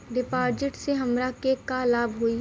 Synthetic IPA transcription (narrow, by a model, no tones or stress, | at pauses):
ɖɪpaːɾd͡ʒɪʈseɦɐmɾakekalaːbɦui